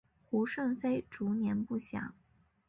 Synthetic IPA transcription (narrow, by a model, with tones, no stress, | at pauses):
xu˧˥ʂə˥˩nfe˥ɪʈ͡ʂu˧˥njɛ˧˥npu˥˩ɕjɑ̰˨˩˦ŋ